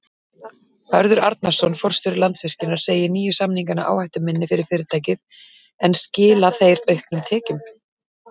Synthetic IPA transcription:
hœɾðʏɾa̰ɾt̪̚nḁsɔnfɔr̥st̪ɪɾlant̪svɪr̥cɪnaɾ̥seːjɪniːjʏsamniŋkana̰ʔa̰ːwhajht̪ʏmɪnːɪfɪɾɪɾ̥fɪːɾɪɾt̪ʰaːjcɪð | ɛnscɪːlaθejɾœɥhpnʏmt̪ʰɛːcʏm

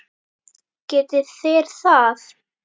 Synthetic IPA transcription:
cɛːt̪ɪθeɾ̥θað

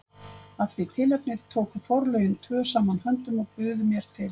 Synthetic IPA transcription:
avɪt̪ʰɪlɛp̚nɪɾ̥t̪ʰoːwkʏfɔwɾlœɥjʏnt̪ʰvœːsaːmanɦœnt̪ʏmɔɣpʏːðʏmjɛɾ̥t̪ʰɪl

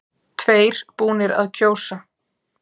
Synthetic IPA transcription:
t̪ʰveːjɾ̥puːnɪɾa̰ðcʰoːwsa

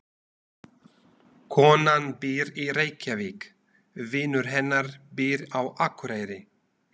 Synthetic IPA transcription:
kʰɔːnanbɪːɾiɾeːjcaviːk | vɪːnʏɾ̥ɦɛnːaɾbɪːɾawʔakɾeːjɾɪ

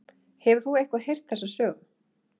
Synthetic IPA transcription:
hɛvʏ̥θuejhkvaðhejr̥t̪θɛsːasœːɣa

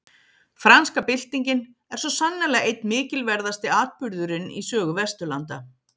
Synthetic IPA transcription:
fɾanskapɪl̥t̪iɲcɪn | ɛɾ̥sɔsanːalɛɣaejt̪mɪːcɪlvɛɾðast̪ɪaːt̪̚pʏɾðʏɾɪnḭsœːɣʏvɛst̪ʏla̰nt̪a̰

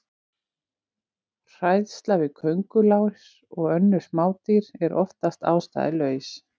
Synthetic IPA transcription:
r̥ajðst̪lavɪkʰœɥŋkʏlaːwɪɾ | ɔɣœnːʏ̥maːwt̪iɾɛɾʔɔft̪ast̪a̰ːwst̪a̰ːðɪlœːɥs

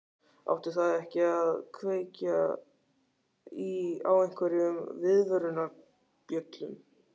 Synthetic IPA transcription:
a̰wht̪ɪɾ̥θaðɛhcɪaðkʰveːca | ia̰wejŋ̥kʰvɛɾɪʏmvɪðvœɾʏna | pjœt̪lʏm

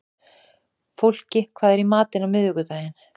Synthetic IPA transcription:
fowl̥cɪkʰvaːðɛɾimaːt̪ɪnawmɪðvʏkʏt̪aːjɪn

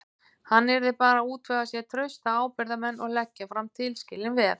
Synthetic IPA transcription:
hanːɛɾðɪpaːɾauːt̪ʰvɛɣasjɛt̪ʰɾœɥst̪aaːwpɪɾðamɛnːʔɔɣlɛcːafɾamt̪ʰɪlscɪlːɪnvɛːɾ

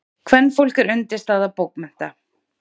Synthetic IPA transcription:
kʰvɛnːfowl̥kɪɾʏnt̪ɪst̪θaðapowkmɛn̥t̪a

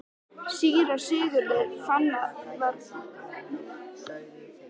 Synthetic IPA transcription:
siːɾḁsɪːɣʏɾlɛifanːavɛɾn

